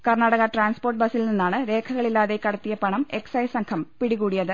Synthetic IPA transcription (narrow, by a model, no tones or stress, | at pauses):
kɐrnaːɽɐɣɐʈraːnspoːrʈ̚bɐsilninːaːɳɨɾe̞ːkʰɐɣɐɭilːaːðekːɐɽɐt̪ːijɐpɐɳɐme̞ksɐjsɐŋkʰɐmpiɽiɣuːɽijɐðɨ